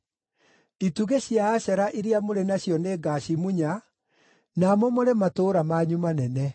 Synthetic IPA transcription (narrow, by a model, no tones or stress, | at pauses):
ituɣeɕjaːɕɛɾaʔiɾiamoɾenaɕjɔneːɡaɕimuɲa | namomoɾematoːɾamaɲumanɛnɛ